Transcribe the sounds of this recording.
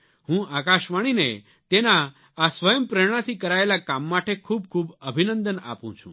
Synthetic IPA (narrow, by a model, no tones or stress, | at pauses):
hũʔakaʃʋaɽ̃inḛ | t̪enaː | sʋəjəmpɾeɽ̃at̪ʰikəɾaelakamːaʈekʰub̚kʰubəbʱinənd̪əna̰pṵ̃t͡ʃʰṵ̃